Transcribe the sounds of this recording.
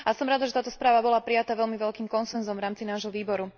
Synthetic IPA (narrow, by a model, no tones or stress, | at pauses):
ʔasɔmɾad̪aʒɛt̪aːt̪ɔspɾaːʋabɔlapɾijat̪aʋɛʎmiʋɛʎkiːmkɔnsɛnzɔmvɾaːmt͡sinaːʒɦɔʋiːbɔɾu